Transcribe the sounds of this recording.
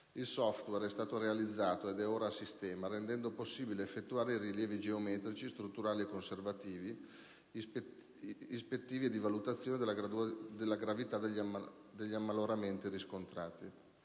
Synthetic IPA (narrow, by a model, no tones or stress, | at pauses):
ilsɔft̪wɛɾɛst̪aːt̪oɾealid̪zːaːt̪oed̪ɛoːɾasist̪ɛːmaɾend̪ɛnd̪oposːiːbileefːet̪ːuaːɾeiriljɛːvid͡ʒeomɛt̪ɾit͡ʃist̪ɾut̪ːuɾaːliekːonservat̪iːvi | ispet̪ːiːvied̪ivalut̪at̪sːjoːned̪elad̪elːaɡɾavit̪ad̪e | d̪eʎːiamːaloɾament̪iɾiskont̪ɾaːt̪i